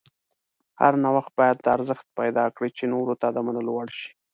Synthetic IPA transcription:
ha̰ɾnawaxt̪̚bɑjad̪̚ːəaɾzəxt̪̚pajd̪ɑkɽit͡ʃenoɾot̪ad̪əmanəlwaɽʃi̥

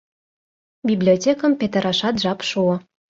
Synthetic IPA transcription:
bʲiblʲiotʲekə̆mpʲet̪ə̆ɾɑʃɑt̪ʒɑpʃuɤ̆

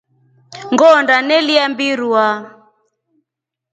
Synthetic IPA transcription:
ŋɡɔndanɛliambiɾua

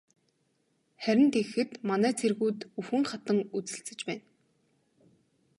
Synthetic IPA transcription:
χæɾʲɪ̆nt̪exɘ̆t̪manæːt͡sʰerɣuːt̪uxɘ̆ŋχat̪ə̆ŋut͡sɘ̆ɬt͡sɘ̆t͡ɕpæːn

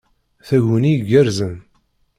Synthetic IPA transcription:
θæʝuniɡəɾzən

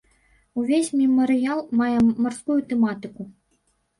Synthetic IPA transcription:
uvʲesʲmʲɛmɐɾɨjalˠmajɛmɐrskujut̪ɛmat̪ɨku

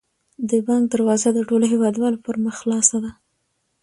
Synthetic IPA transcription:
d̪əbɑŋɡ̚d̪əɾwɑzad̪əʈoloɦewɑd̪wɑlopəɾməxlɑsad̪a

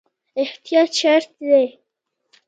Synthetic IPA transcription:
ɪht̪ijɑːt̪ʃaɾt̪d̪ej

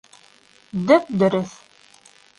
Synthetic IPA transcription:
d̪ɵp̚d̪ɵ̆ɾɘθ

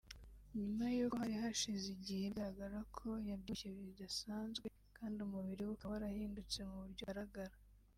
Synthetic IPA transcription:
ɲumajokhaɾihaʃiziɟiheɡaɾaɡaɾakʰo̞jabduçeβidasaːnzɡwe̞ | kʰaːndiumuβiɾewukaβaɾahiːndut͡se̞muβuɾɟoɾaɡaɾa

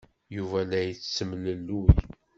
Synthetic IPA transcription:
juvælæjət͡sːt͡sːəmləlːuj

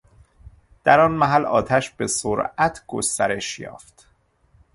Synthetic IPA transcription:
d̪̥æɾɒːnmæɦælɒ̰ːt̪ʰæʃbe̞soɾæt̪ʰɡ̥o̰st̪æɾe̞ʃjɒ̰ːft̪

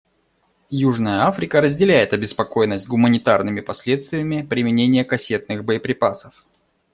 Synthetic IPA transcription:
juʐnəjəafɾʲɪkəɾəzʲdʲɪlʲæjɪt̪ɐbʲɪspɐko̞jnːəsʲt̚ʲɡʊmənʲɪt̪arnɨmʲɪpɐsʲlʲet̪st̪vʲɪjəmʲɪpɾʲɪmʲɪnʲenʲɪjəkɐsʲe̞t̪̚nɨxbəjəpɾʲɪpasəf

